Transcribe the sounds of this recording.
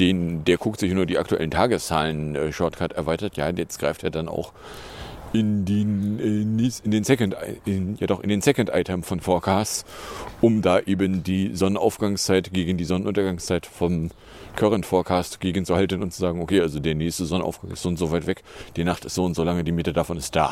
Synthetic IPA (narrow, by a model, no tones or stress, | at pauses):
d̥eːndeːɐkʰʊk̚tz̥ɪçnuːɐdiːʔa̰ktuʔɛ̰ləntʰaːɡəst͡saːlənʔɛːʃɔɐtkʰaɐtɛɐvaɪtɐtja̰ːjɛt͡stɡ̥ʁaɪfteːɐdana̰ʊx | ʔɪndi | neɪndeːnsɛkntɪnjadɔχʔɪ̰ndeːnsɛkɔntʔa̰ɪtʰəmfɔnfɔːɐkʰaːst͡sʔʊmdaːʔeːbəndiːzɔnəna̰ʊfɡ̥aŋst͡saɪtɡ̥eːɡən̩diːzɔnənʔʊntɐɡaŋst͡saɪtfɔm | kʰœʁəntfɔːɐkʰaːstɡ̥eːɡən̩t͡suhaltənʊntt͡su̥zaːɡŋ̩okʰeːʔalzodeːɐnɛːçstəzɔnənʔa̰ʊfɡ̥aŋɪstzoːʊntz̥oːvaɪtv̥ɛkd̥iːnaχtɪ̥stz̥oːʊntz̥oːlaŋədiːmɪtədafɔnɪst̚d̥a̰ː